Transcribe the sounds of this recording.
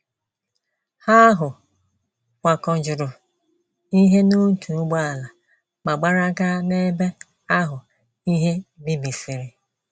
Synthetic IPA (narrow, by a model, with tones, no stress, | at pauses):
ha˦ɦʊ˨ | kʷa˨kɔ˨d͡ʒʊ˨ɾʊ˨ | i˦ɦe˦no˦tʰu˨˦ɡ͡ba˨la˨ | ma˨ɡ͡ba˦ɾa˦ɡa˦ne˦be˦ | a˦ɦʊ˨ | i˦ɦe˦bi˦bi˨si˨ɾi˨